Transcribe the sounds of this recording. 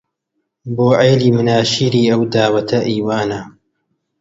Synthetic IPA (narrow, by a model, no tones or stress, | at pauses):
boːʕejliːmʊnaːʃiːɾiːɐwd̪aːwɐt̪ʰɐʔiːwaːnɐ